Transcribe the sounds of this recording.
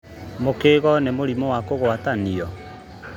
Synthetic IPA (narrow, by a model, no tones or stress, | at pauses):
mokeːɣɔnemoɾimɔwakoɣwataniɔ